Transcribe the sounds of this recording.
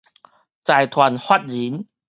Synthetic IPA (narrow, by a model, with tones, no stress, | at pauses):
t͡sa˨˩jt̪ʰwa˨˩nhwa˦t̚zi˨˦n